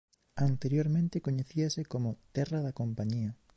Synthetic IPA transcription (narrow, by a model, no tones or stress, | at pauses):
ant̪eɾjoɾmẽnt̪ɪkoɲeθiɐsekomʊt̪ɛrɐðɐkompaɲiɐ